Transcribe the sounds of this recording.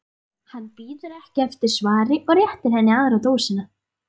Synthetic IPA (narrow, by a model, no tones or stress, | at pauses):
hanːpiːðʏɾɛhcɪɛft̪ɪɾ̥svaːɾɪʔɔɣɾjɛht̪ɪɾ̥ɦɛnːɪaːðɾawt̪oːwsɪna